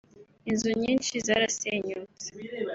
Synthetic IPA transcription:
inzuɲiːnʃizaːɾaseɲut͡se̥

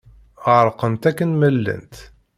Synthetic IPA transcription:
əʕɾˤqənt̪ækːənməlːə̰nt̪

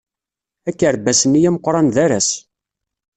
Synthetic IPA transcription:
ækːəɾbæsənijæməqːɾˤɑnðæɾæs

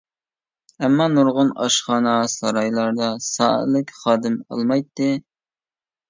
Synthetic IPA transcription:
ɛmːɑnuɾʁʊnɑʃχɑːnɑsɑɾɑjlˠɑɾd̪ɑsɑ̰ːə̰lˠɪkʲχɑːd̪ɨmɑ̰lˠmɑjt̪ːɨ

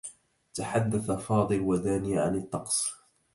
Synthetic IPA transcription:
t̪aħad̪ːaθafɑːd̪ˤɨlwad̪aːniʕa̰nɪt̪ˤːɑqsˤ

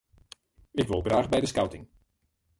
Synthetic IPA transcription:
ɪkʋɪlˠɡraːχbɛjdəskawtɪŋ

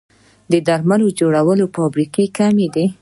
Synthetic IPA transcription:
d̪əd̪aɾmalod͡ʒoɽawəlofɑbɾikekamed̪i

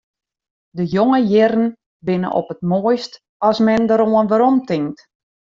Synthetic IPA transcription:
dəjoŋəjɪɾən̩ | bɪnə̰ʔɔ̰pətmoːjst | ɔsmɛndəɾoənʋəɾɔmtɪŋt

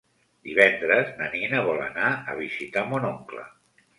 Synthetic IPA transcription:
d̪iβɛnd̪ɾəznaninəβɔlə̰naə̰β̞izit̪amonoŋklə̰

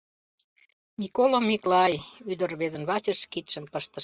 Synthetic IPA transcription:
mikolomːiklɑjyd̪ə̆rβezə̆nβɑt͡ɕəʃkit̪ʃənpəʃt̪ə

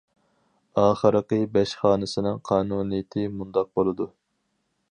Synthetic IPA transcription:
ɑːχəɾəqəbɛʃχɑːnɨsɪnɨŋqʰɑːnuːnijɪt̪ʰɪmund̪ɑq̚bolˠɨd̪u

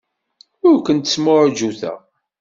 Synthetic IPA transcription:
ʊɾkʷənt̪ə̥smʊɾd͡ʒuθæ̰

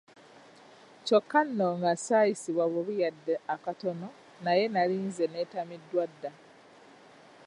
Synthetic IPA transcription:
cokːanːoŋɡasaːjisiβwaβoβujadːeakato̞no̞ | naje̞naliːnzenetamidːwadːa

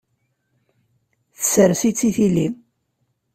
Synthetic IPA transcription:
θəsəɾsit͡sːiθili

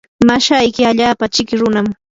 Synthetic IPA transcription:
maʃajkɪaʎaːpat͡ʃɪkɪɾʊnam

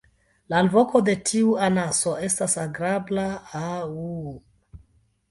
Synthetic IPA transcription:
lalvo̞ko̞de̞tʰiuanaso̞e̞stasaɡɾablaau

